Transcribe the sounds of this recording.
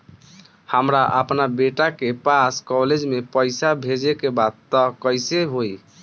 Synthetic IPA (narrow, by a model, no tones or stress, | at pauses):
həmɾaʔəpnabeʈakepaskɔled͡ʒmepəjsabʱed͡ʒekebad̪̚t̪ɔkəjseɦoj